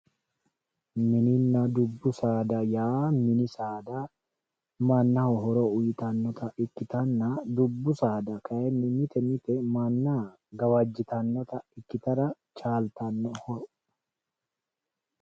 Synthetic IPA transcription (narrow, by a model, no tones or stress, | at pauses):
mɪnɪnːɐd̪ʊbːʊsaːd̪ɐjaːmɪnɪsaːd̪a | mɐnːɐhɔɦɔɾoʊjɪt̪ɐnːɔt̪ɐʔɪkːɪt̪ɐnːɐd̪ʊbːʊsaːd̪ɐkʰɐʔɛnːɪmɪt̪ɛmɪt̪ɛmɐnːa | ɡɐwɐd͡ʒːɪt̪ɐnːɔt̪ɐɪkːɪt̪ɐɾɐ | t͡ʃaːlt̪ɐnːɔhɔɾ